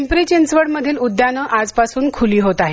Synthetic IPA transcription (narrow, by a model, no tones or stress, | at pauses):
mpɾit͡ɕensʋəɽməd̪ʱiːlud̪ʱːjanəʔad͡zpasuːnkʰuliːɦot̪aɦe